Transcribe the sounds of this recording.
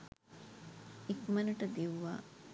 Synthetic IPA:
ikmɐnuʈəd̪iʋʋa̰ː

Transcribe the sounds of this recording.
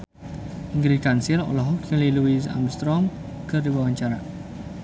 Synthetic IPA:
ʔiŋɡɾikansilɔ̰lɔɦɔkɲəliluis̬a̰mst̪ɾɔm | kɨrdiwawaɲt͡ʃaɾa

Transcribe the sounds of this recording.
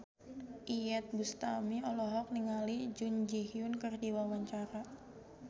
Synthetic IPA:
ʔijɛt̪̚bust̪amiɔlɔɦɔk̚niŋalid͡ʒund͡ʒihiʊnkɨrdiwawaɲt͡ʃaɾa

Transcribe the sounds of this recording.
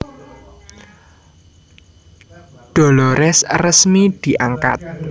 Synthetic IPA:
ɖ̪̥ɔ̤lɔɾɛsrəsmid̪̥i̤ʔaŋka̰t̪̚

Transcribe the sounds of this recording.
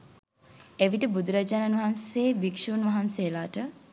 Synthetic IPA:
eʋiʈəbud̪uɾad͡ʒaːnanʋɐɦanseːbikʂuːnʋaɦansejlaːʈə

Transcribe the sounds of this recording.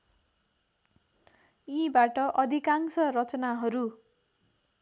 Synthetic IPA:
ibaʈʌʔʌd̪ʱikaŋsʌɾʌt͡sʌnaɦʌɾu

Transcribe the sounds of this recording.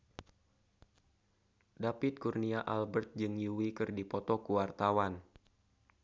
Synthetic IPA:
dapit̪̚kurniaʔalbɛrt̪̚d͡ʒɨŋjuwikɨrdipɔt̪ɔkuwart̪awan

